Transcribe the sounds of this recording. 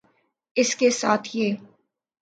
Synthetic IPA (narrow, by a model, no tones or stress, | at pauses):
ɪskesa̰ːt̪ʰjeː